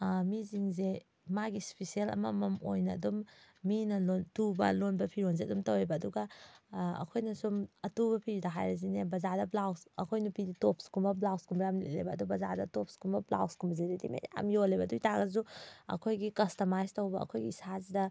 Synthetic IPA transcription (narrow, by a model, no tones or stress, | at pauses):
miziŋze | maɡispisielɐ̰mɐmɐmojnɐːdumːinɐlontubɐ̰lonbɐpʰiɾonz̬eɐdumtɐwejbɐːduɡɐ | ɐ̰kʰojnɐsumɐtubɐpʰiɾdaɦajɾɐz̬inebɐzaɾdɐblawsɐkʰojnupiɾitop̚skumbɐblawskʰumbɐjamlḛʔlḛjbɐːdubɐzaɾdɐtop̚skumbɐbla̰wskʰumbɐzeɾilḭmḛja̰mjolebɐdujtʰaɡɐzuɐ̰kʰojɡikɐstɐmajstɐwbɐɐ̰kʰojɡiisazidɐ